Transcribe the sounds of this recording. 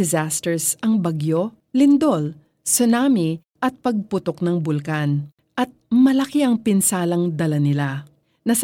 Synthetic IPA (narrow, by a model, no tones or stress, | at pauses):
ɛzast̪ɛɹsɐŋbɐɡjo̞ | lɪnd̪ol | sʊnaːmi | ʔɐt̪̚pɐɡ̚pʊt̪oknɐŋbʊlkan | ʔɐt̪̚mɐlɐkiʔɐŋpɪnsaːlɐŋd̪ɐlɐnɪla | nɐs